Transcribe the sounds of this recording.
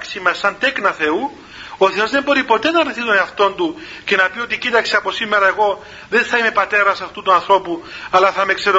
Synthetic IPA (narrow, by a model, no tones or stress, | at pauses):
ksimɐsɐnt̪e̞knɐθe̞u | o̞θe̞o̞zðembo̞ɾipo̞t̪e̞nɐrniθit̪oneɐft̪o̞nd̪u | ce̞nɐpio̞t̪icit̪ɐkseɐpo̞simːe̞ɾɐeɣo̞ | ðenθɐime̞pɐt̪e̞ɾɐsɐft̪ut̪uɐnθɾo̞puɐlaθɐmekse̞ɾo